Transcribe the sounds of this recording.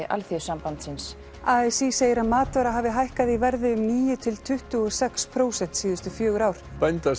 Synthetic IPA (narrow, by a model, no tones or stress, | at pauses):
ɪʔa̰lθɪsampant̪sɪns | aːɛsiseːjɪɾaðmaːt̪ɔɾaɦaːvɪɦajhkaðivɛɾðɪʏmniːjʏt̪ʰɪlt̪ʰʏht̪ʏɔsɛkspʰɾoːwsɛn̥t̪siːðʏst̪ʏfjœːɣʏɾawɾ̥pɛjnt̪as